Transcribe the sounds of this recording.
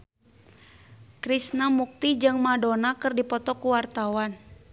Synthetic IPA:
kɾisnamuk̚t̪id͡ʒɨŋmadonakɨrdipɔt̪ɔkuwart̪awan

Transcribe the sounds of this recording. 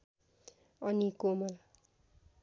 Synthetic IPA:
ʌnikomʌl

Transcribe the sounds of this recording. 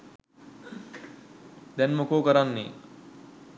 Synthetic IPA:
d̪ɛnmokoːkəɾanːḭ

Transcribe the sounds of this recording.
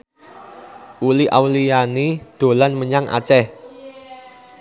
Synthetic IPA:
ʔuliʔawlijanid̪̥o̤lanməɲaŋʔa̰t͡ʃɛh

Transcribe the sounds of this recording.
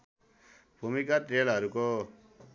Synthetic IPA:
b̥ʱumikaʈ̪ɾeːlɦʌɾuko

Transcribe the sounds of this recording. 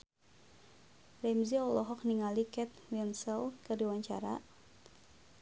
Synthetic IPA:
rɛmziɔlɔɦɔk̚niŋalikɛt̪̚wɛnsəlkɨrdiwaɲt͡ʃa̰ɾa

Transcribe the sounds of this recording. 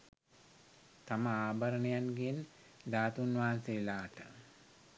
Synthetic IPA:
t̪aməaːbaɾənejanɡen | d̪aːt̪unʋaanselaːt̪ə̰

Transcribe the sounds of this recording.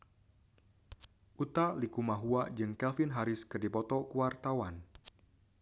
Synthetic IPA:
ʔut̪alikumaɦuad͡ʒɨŋkɛlfɪnɦaɾɪskɨrdipɔt̪ɔkuwart̪awan

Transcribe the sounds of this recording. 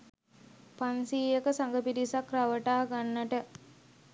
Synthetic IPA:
pansiːjəkəsaŋɡəpidisakraʋəʈaːɡanːəʈə

